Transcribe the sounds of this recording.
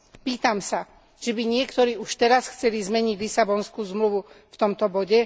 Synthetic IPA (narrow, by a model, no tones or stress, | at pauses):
piːt̪amsa | ʒ̥ɛbiɲɪɛkt̪ɔɾiːuʃt̪ɛɾasxt͡sɛlizmɛɲiɟlisabɔnskuːzmluʋuft̪ɔmt̪ɔbɔɟɛ